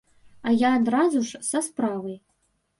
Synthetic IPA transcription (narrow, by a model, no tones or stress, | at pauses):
ɐjaːd̪razuʂsɐspɾavɐj